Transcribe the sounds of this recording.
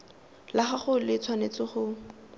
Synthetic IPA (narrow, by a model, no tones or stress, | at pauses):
laχaχʊlɪt͡sʰwanet͡sɪχʊ